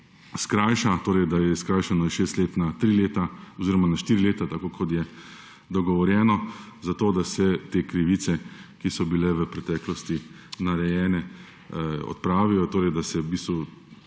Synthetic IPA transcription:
skɾaːjʃat̪oːɾɛɪjd̪ajɛskɾaːjʃanɔjɛʃeːst̪leːt̪nat̪ɾileːt̪aɔziːɾɔmanaʃt̪iːɾileːt̪at̪akoːkʰɔt̪jɛ | d̪ɔɡɔʋɔɾjɛːnɔ | zat̪oːd̪asɛt̪eːkɾiʋisɛkisɔbilɛʋəpɾɛt̪ɛːklɔst̪i | naɾɛjɛːnɛ | ɔ̰t̪pɾaːʋijɔt̪oːɾɛɪd̪asɛbiːst̪ʋu

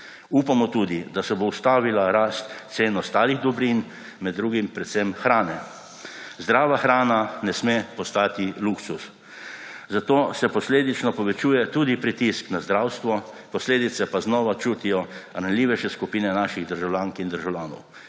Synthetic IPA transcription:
upamɔt̪uːd̪id̪asɛbowst̪aːʋilaɾaːst̪seːnɔst̪aːliɣd̪ɔbɾin | mɛd̪ːɾuːɡimpɾɛt̪sɛmxɾaːnɛ | zd̪ɾaːʋaxɾaːnanɛsmepɔst̪aːt̪iluksus | zat̪oːsɛpɔsleːd̪it͡ʃnɔpɔʋɛt͡ʃuːjɛt̪uːd̪ipɾit̪isknazd̪ɾawst̪ʋɔpɔsleːd̪it̪sɛpaznɔːʋat͡ʃuːt̪ijɔɾanliːʋɛʃɛskupiːnɛnaːʃiɣd̪əɾʒawljaːŋkind̪əɾʒawlʲaːnɔ̰w

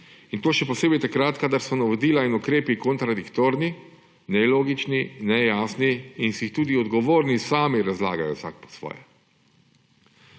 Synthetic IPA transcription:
int̪oːʃɛpɔseːbɛjt̪akɾat̪kad̪aɾsɔnaʋod̪iːlainukɾeːpikɔnt̪ɾad̪ikt̪oːɾni | nɛloːɡit͡ʃninɛjaːsniinsixt̪uːd̪iɔd̪ɡɔʋoːɾnisaːmiɾazla̰ːɡajɔ̰wsa̰k̚pɔ̥sʋɔ̰ːjɛ̰

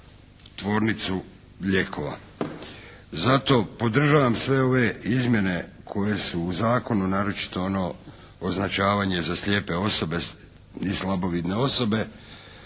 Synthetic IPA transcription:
t̪ʋo̞ːɾnit̪su | ʎe̞kʰo̞ʋa̰ | zat̪o̞po̞d̪r̩ʒaːʋamsʋe̞o̞ʋe̞izmʲje̞ne̞ | kʰo̞je̞suːzaːko̞nunaːɾo̞t͡ʃi̥t̪o̞ono̞ː | znat͡ʃaːʋaɲe̞zaslʲje̞ːpe̞o̞so̞be̞ | nislˠabo̞ʋid̪ne̞o̞so̞be̞

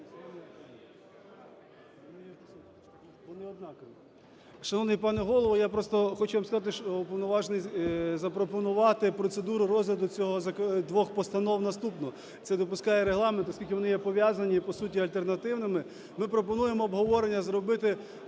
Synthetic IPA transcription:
ɔnɪ | ʋɔnɪɔd̪nɑk | ʃɐnɔʋnɪjpɑnɛɦɔlˠɔʋɔjapɾɔst̪ɔxɔt͡ʃʊʋamskɐzɑt̪ɪʃɔpɔʋnɔʋɑʒnɪjzɐpɾɔpɔnʊʋɑt̪ɪpɾɔt̪sed̪uɾʊɾɔzɦlʲɐd̪ʊt͡sʲɔɦɔzɐkd̪ʋɔxpɔst̪ɐnɔwnɐst̪upnɔ | t̪sɛd̪ɔpʊskɑjɛɾeɦlˠɑment̪ɔskʲilʲkʲɪʋɔnɪjɛpɔʋʲjazɐnʲipɔsutʲiɐlʲt̪ernɐt̪ɪwnɪmɪ | mɪpɾɔpɔnujemɔːbɦɔʋɔɾenʲːɐzɾɔbɪt̪ɪ

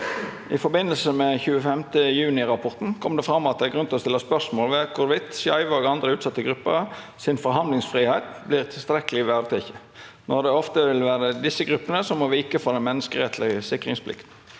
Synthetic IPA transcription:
ɪfɔɾbɪnːəlsəmɛçʉːəfɛmt̪əjʉːnɪʁɑpʰɔʁt̪n̩kʰɔmd̪ɛfɾɑmːɔɑt̪d̪æɡɾʉnt̪ɔst̪ɪlːəspœʂmoːlʋɛkʰʊɾʋɪt̪sjɑɪʋəɔːɡɑnd̪ɾəʉːt̪sɑt̪ːəɡɾʉpːə̰ | sɪnfɔɾɦɑnd̪lɪŋsfʁiːhæɪt̪̚blɪʁt̪ʰɪlst̪ɾɛkəlɪʋæʁd̪ət̪ʰɪçə | nɔʁd̪ɛɔft̪əʋɪlʋæːɾəd̪ɪsːəɡɾʉpːənəsɔmːɔʋiːkəfɔʁd̪ɛnmɛnːəskəʁɛt̪ʰlɪəsɪkːʁɪŋspʰlɪ̰kt̪

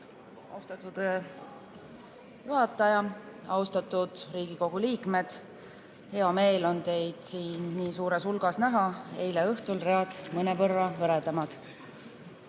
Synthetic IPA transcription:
ɑ̰ust̪ɑt̪ːud̪̥ | juɦɑt̪ːˑɑjɑɑwst̪ɑt̪ːˑud̪̥riːɡiko̞ɡ̥uliːkme̞d̪̥ | he̞ɑme̞ːlo̞nt̪e̞jd̪̥siːnniːsuːɾe̞sulɡ̥ɑsnæɦɑe̞jleɤht̪ulreɑd̪̥mɤnevɤrːɑvɤɾed̪ɑmɑd̪̥

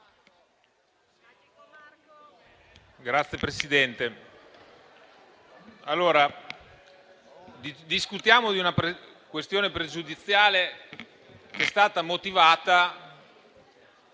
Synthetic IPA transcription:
ɡɾat̪sːjepɾesid̪ɛnt̪e | alːoːɾa | d̪iskut̪jaːmod̪iunapɾ | kwest̪joːnepɾed͡ʒud̪it̪sːjaːle | keɛst̪aːt̪amot̪ivaːt̪a

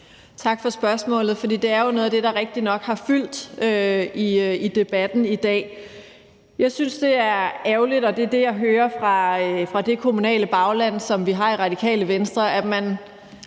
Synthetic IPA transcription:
t͡sʰɑ̈ɡ̥fɒ̽sb̥ɶɐsmɔ̰̽ːlð̩ˠfɒd̥ḭːd̥e̝æɐjo̝no̽ːðˠæd̥e̝ɾ̥ɑ̈ʁeɡ̥̚d̥inɒ̽ɡ̥hɑ̈fyl̰d̥øiid̥e̝b̥æd̥n̩id̥ɛ̰ː | jɑ̈ɪsynsd̥e̝æɐæʊlid̥ɒ̽d̥e̝d̥e̝jɑ̈ɪɦøːɐfʁɑ̈fʁɑ̈d̥e̝kʰo̝munɛ̰ːləb̥ɑ̈ʊlæn̰sɒ̽mʋiɦɑ̈iʁɑ̈d̥ikʰɛ̰ːləʋensd̥ʁɐæ̥mæn

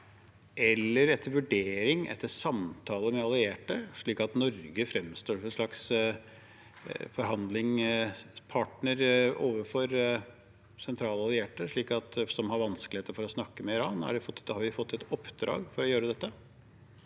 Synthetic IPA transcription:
ʔɛlːəɾɛt̪ʰːəɾʋʉɖeːɾɪŋɛ̰t̪ʰːəsɑmt̪ʰɑːləmɛɑlɪeːʈəʂɭiːkɑt̪nɔɾɡəfɾɛmst̪oːɛnʂɭɑks | fɔɾɦɑnd̪lɪŋ | pʰɑʈnəɾoːʋəfɔɾ | sɛnt̪ʰɾɑːlɑlɪeːʈəʂɭiːkɑt̪sɔmhɑɾʋɑnskəlɪheːt̪əɾfɔɾɔsnɑkːəmɛɪɾɑːnæ̰ɖɛfɔhɑɾʋɪfɔt̪ːɛt̪ɔpd̪ɾɑ̰ːɡfɔɾɔjøːɾəd̪ɛt̪ːə

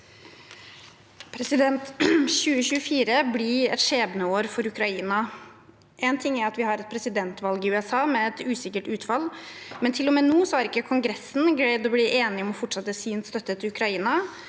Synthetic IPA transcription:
pʰɾɛsɪd̪ɛnt̪ɕʉːəçʉːəfiːɾəbliɛ̰t̪ʂeːbnəoːɾfɔɾʉkɾɑiːnɑ | ʔɛnt̪ʰɪŋːæɾɑt̪ʋɪhɑɾɛt̪̚pʰɾɛsɪd̪ɛnt̪ʋɑlɡɪʉːɛsɑːmɛɛt̪ʉːsɪkəʈʉːt̪fɑlmɛnt̪ʰɪlːɔmeːnuːsɔhæɾɪkːəkʰʊŋɡɾɛsːn̩ɡlæɪd̪ɔbliːʔeːnɪɔmɔfɔʈʂɑt̪ːəsiːnst̪œt̪ːət̪ʰɪʉkɾɑiːnɑ

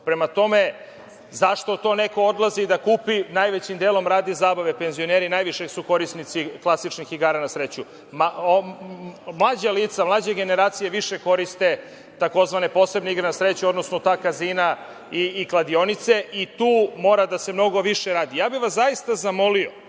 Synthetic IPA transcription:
pɾe̞mat̪o̞me̞ | zaʃt̪o̞t̪o̞ːne̞ko̞od̪lˠazid̪akuːpinajʋet͡ɕimd̪eːlˠo̞mɾaːd̪izaːbaʋe̞pe̞nzio̞neɾinaːjʋiʃesuko̞ɾisnit̪siklˠasit͡ʃnixiɡaːɾanasɾe̞t͡ɕu | mao | mlˠaːd͡ʑaliːt̪samlˠaːd͡ʑeɡe̞ne̞ɾaːt̪sije̞ʋiʃe̞ko̞ɾist̪e̞ | t̪ako̞zʋanepo̞se̞bneiɡɾenasɾet͡ɕuo̞d̪nosnot̪aːkaziːna | iːklˠad̪io̞nit̪se̞ʔit̪uːmo̞ːɾad̪ase̞mno̞ɡo̞ʋiʃeɾaːd̪ijaːbiʋaszajist̪azamo̞lio̞

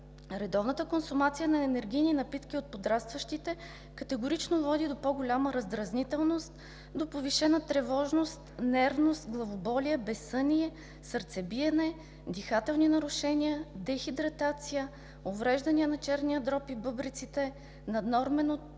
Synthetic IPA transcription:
ɾɛd̪ɔvnət̪əkonsʊmat̪sijənɐɛnɛɾɡʲijninɐpit̪kʲiot̪̚pod̪ɾast̪vɐʃt̪it̪ɛ | kɐt̪ɛɡʊɾit͡ʃnovɔd̪id̪opɔɡʊlʲaməɾɐzd̪ɾɐznit̪ɛlˠnost̪ | d̪opoviʃɛnət̪ɾɛvɔʒnost̪nɛɾvnost̪ɡlˠɐvobɔliəbɛsɤniɛ | səɾt̪sɛbiɛnɛ | d̪ixat̪ɛlˠninɐɾʊʃɛniəd̪ɛxid̪ɾɐt̪at̪sijə | ovɾɛʒd̪ɐniənɐt͡ʃɛɾnijəd̪ɾɔpibɤbɾit̪sit̪ɛ | nɐd̪nɔɾmɛnot̪

